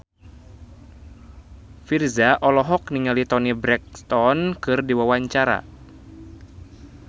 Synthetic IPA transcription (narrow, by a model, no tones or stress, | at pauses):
firzaʔɔlɔɦɔk̚niŋalit̪ɔnibɾɛk̚st̪ɔnkɨrdiwawaɲt͡ʃaɾa̰